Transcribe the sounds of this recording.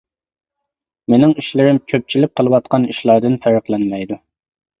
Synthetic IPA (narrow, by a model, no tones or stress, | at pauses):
menɪŋiʃlɪɾɪmkʲʰøp̚t͡ʃʰilɪp̚qʰəlˠɨwɑt̪̚qɑniʃlˠɑɾd̪ɨnfæɾəqlˠɛnmɛjd̪u